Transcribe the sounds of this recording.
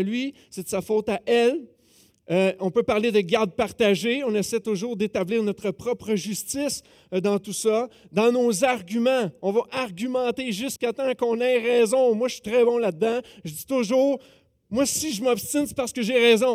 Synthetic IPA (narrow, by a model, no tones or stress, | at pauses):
lɥi | set̪əsafot̪aʔɛl | øɔ̃pøpaʁled̪əɡʲaʁd̪̚paʁt̪aʒeɔ̃nɛsɛt̪ʊʒuːʁd̪et̪abliːʁnɔt̪χəpʁɔpʁəʒyst͡sɪs | d̪ɑ̃t̪usʌ | d̪ɑ̃nozaʁɡʲymɑ̃ɔ̃vaʔaʁɡʲymɑ̃t̪eʒyskat̪ɑ̃kɔ̃nɛʁɛzɔ̃mwaʃi̥t̪ʁɛbɔ̃laːɑ̃ʒəd͡zit̪ʊʒuːʁ | mwasiʒəmɔpst̪ɪnse̥paʁsə̥kəʒeʁɛːzɔ̃